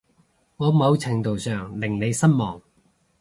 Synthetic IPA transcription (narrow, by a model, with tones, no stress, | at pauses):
ŋɔː˨˧mɐ˨˧wt͡sʰɪ˨˩ŋt̪o˨˩wsœː˨˩ŋlɪ˨˩ŋne˨˧jsɐ˥nmɔː˨˩ŋ